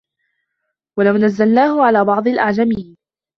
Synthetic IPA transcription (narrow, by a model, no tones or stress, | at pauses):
walawnazːalnaːhʊʕalaːbɑʕd̪ˤɑlʔaʕd͡ʒamiːn